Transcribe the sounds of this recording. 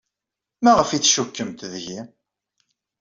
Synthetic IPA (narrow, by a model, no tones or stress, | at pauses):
mæʁəfiθʃukːəmt̪ðʝi